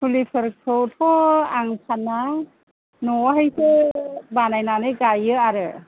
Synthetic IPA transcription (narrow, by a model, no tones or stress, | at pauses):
pʰulipʰɯɾkʰɯwtʰɔaŋsʰana | nɔɦajsʰɯbanajnanɯjɡajɯaɾɯ